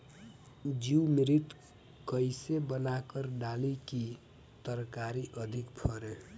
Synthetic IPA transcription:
d͡ʒiwmiɾit̪ | kʌjsebʌnakʌrɖaliki | t̪ʌɾkaɾiʔʌd̪ʱikpʰʌɾe

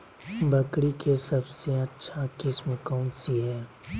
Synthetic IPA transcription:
bʱɐkɽikʰesɐbseɐtːʃʰakɪsmkɔ̃ːnsiɦɛː

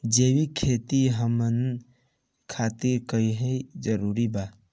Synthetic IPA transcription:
d͡ʒewikʰet̪iɦəmən | kʰaːt̪iɾkəiɦɛd͡ʒəɾuːɾiba

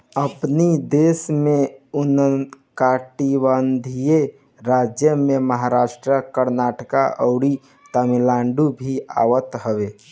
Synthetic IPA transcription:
əpnid̪esmeunənkaʈibənd̪ʱije | ɾad͡ʒjəmeməɦaɾasʈɾəkəɾnaʈkaʔəʊɽi | t̪əmilaɳɖubʱia̰ʋət̪ɦəʋe

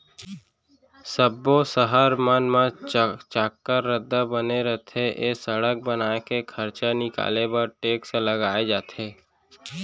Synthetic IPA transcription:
səbːosəɦəɾmənmãt͡ʃaːkːəɾːəd̪ːabəneɾət̪ʰeʔesəɽək̚bənaːkekʰəɾt͡ʃanɪka̰ːlebəɾʈeːksẽləɡaːed͡ʒaːt̪ʰeː

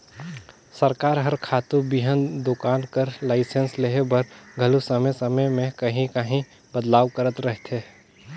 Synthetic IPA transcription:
səɾkaːɾɦəɾkʰaːt̪ubiɦənd̪okaːnkəɾlaːɪsensleɦebɐɾɡʱɐlusəməjsəməjmẽkɐɦĩkəɦĩ | bəd̪laːʋkəɾət̪ɾəɦt̪ʰe

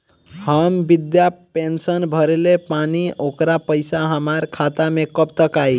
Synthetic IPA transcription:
həmbid̪japensənbʱəɾelepaniokɾapəɪsaɦəmaɾkʰat̪amekəpt̪əkaj

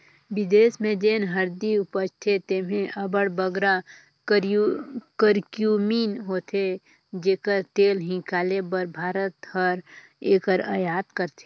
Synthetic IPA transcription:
bɪd̪eːsmẽd͡ʒeːnɦəɾd̪iʊpət͡ʃt̪ʰet̪eːmẽʔəbəɽbəɡɾa | kəɾkjuːmiːnɦoːt̪ʰe | d͡ʒeːkəɾt̪eːlɦɪ̃kaːlebəɾbʱaːɾət̪həɾ | eːkəɾəjaːt̪kəɾt̪ʰe̥

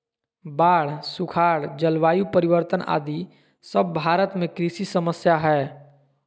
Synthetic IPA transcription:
baːɽ̤sʊkʰaːɽd͡ʒəlʋaːjupəɾɪwəɾt̪əna̰ːd̪i | səb̚ːʱaːɾət̪mẽkɾisisəməsjaɦɛː

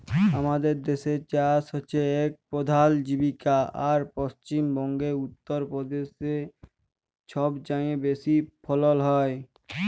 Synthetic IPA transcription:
ɦəmad̪eɾd̪eːset͡ʃaːɾsɔt͡ʃʰeeːk̚pɔd̪ʱaːld͡ʒibikaaːɾpɔst͡ʃimbɔ̃ŋɡeʊt̪ːəɾpɾɔd̪eːse | t͡ʃʰɔbd͡ʒãẽbeːsipʰɔləlɦɔe

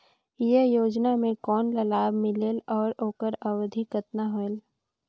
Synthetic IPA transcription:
jejoːd͡ʒnamẽkɔːnlɐlaːbmɪleːlɔːɾoːkəɾɐʋd̪ʱikət̪naɦoel

